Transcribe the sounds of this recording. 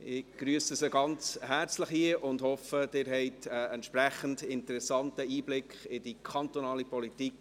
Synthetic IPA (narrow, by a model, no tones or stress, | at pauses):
ɪɡ̥ɾyːəsəsəɡɑnt͡shæɾt͡sləχhiəʔʊndhɔfəd̥ɪːɾɦɛɪtəɛntʃpɾæχən̩dɪntəɾɛsɑntəiːblɪkχɪd̥ikʰɑntonɑːlipʰɔlitik